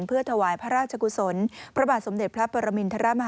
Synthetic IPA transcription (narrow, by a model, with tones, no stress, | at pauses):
npʰɯ˥˩ət̪ʰa˧waː˩˦jpʰa˦˥ɾaː˥˩t̪̚t͡ɕʰa˧ku˧so˨˩˦npʰɾa˦˥baː˨˩t̪̚so˩˦mde˨t̪̚pʰɾa˦˥pɔ˨˧ɾa˧mi˧nt̪ʰa˧ɾa˦˥ma˧ɦ